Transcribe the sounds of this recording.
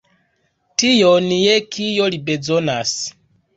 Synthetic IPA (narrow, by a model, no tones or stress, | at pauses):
tijɔnijɛkʰijɔlibɛd͡zɔnasi̥